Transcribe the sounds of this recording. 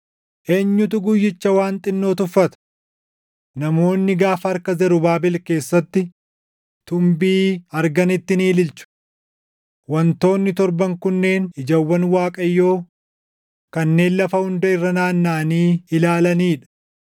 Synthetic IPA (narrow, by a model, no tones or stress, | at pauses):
ʔe̞ːɲːʊt̪ʊɡʊjːɪt͡ʃːɐwaːnt̪ʼɪnːo̞ːt̪ʊfːɐt̪ɐ̥ | nɐmo̞ːnːɪɡaːfɐɾkɐzɛɾʊbaːbɪlke̞ːsːɐt̪ːɪ | t̪ʊmbiːɐɾɡɐnɪt̪ːɪniːlɪlt͡ʃʊ̥ | wɐnt̪o̞ːnːɪt̪ɔɾbɐŋkʊnːe̞ːnɪd͡ʒɐwːɐnwaːkʼɐjːo̞ː | kɐnːe̞ːnlɐfɐhʊnd̪ɐɪrːɐnaːnːaːniːɪlaːlɐniːᶑɐ̥